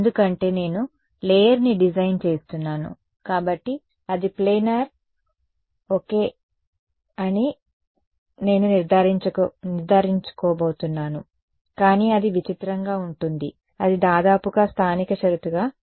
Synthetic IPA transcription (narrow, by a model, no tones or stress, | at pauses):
end̪ukɐɳʈe̞ːne̞ːnu | leːjɐɾniɖid͡ʒɐjnt͡ʃe̞ːst̪unːaːnṵ | kaːbɐʈːi | ɐd̪ipleːnɐɾ | oːke̞ː | ɐni | ne̞ːnuniɾd̪ʱaːɾit͡ʃɐniɾd̪ʱaːɾiɲt͡ʃu̥kɔːboːt̪unːaːnu | kaːniːɐd̪iʋit͡ʃit̪ɾɐŋɡaːuɳʈund̪ḭ | ɐd̪id̪aːd̪aːpuɡaːst̪ʰaːnikɐʃɐɾut̪uɡaː